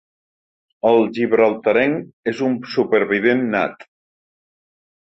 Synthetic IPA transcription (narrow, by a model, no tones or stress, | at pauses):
əlˠʒiβɾəlˠt̪əɾɛŋezumsupəɾβiβenːa̰t̪